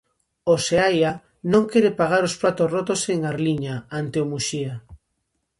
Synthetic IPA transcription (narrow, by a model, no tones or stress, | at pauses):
oseaja | nõŋkeɾepaɣaɾospɾat̪osrot̪oseŋaɾliɲaant̪eomuʃia